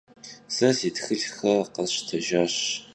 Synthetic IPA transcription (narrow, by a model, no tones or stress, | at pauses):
sɐziːtxɨɮxɐqɐɕtʰɐʒaːɕ